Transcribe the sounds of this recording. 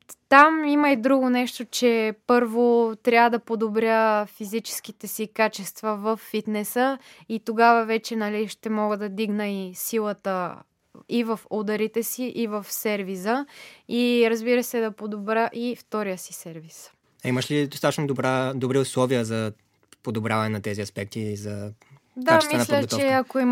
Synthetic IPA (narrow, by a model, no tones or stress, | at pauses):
t̪amiməid̪ɾuɡonɛʃt̪ot͡ʃɛpɤɾvot̪ɾʲavəd̪ɐpod̪obɾʲəfizit͡ʃɛ̥sk̟it̪ɛsikat͡ʃɛst̪vɐvəfːit̪nɛsəit̪oɡavəvɛt͡ʃɛnɐliʃt̪ɛmɔɡəd̪ɐd̪iɡnəisilˠət̪ə | ivəfɔd̪ɐɾit̪ɛsiʔivəfsɛɾvisəiɾəzbiɾəsɛd̪ɐpod̪obɾəʔift̪ɔɾijəsi̥sɛɾvis | aiməʃlid̪osat̪ət͡ʃʃnod̪obɾad̪obɾiʊslˠɔviəzɐ | pod̪obɾʲavɐnɛnɐt̪ɛziɐspɛk̚t̪izɐ | d̪amiɛnlʲətt͡ʃɔɛɐkoim